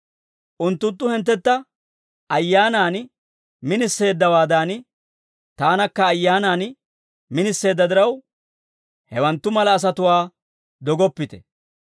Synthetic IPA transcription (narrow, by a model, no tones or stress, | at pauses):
ʔʊnt̪ːʊnt̪ːʊhɛnt̪̬ːɛt̪ːɐ | ʔɐjːaːnaːn | mɪnɪsːe̞ːd̪ːɐwaːd̪aːn | t̪aːnɐkːɐːjːaːnaːn | mɪnɪsːe̞ːd̪ːɐd̪ɪɾɐw | hɛwɐnt̪ːʊmɐlɐːs̬ɐt̪ʊwaː | d̪ɔɡɔpːɪt̪ɛ̰